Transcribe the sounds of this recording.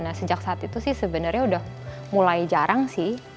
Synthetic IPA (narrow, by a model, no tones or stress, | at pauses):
nasəd͡ʒaksaːt̪it̪usɪhsəbənərɲaudah | mulajd͡ʒaɾʔaŋsɪh